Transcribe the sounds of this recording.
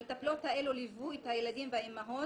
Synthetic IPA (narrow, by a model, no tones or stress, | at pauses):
t̪aplot̪haelolivuit̪hajeladimvaimaɦo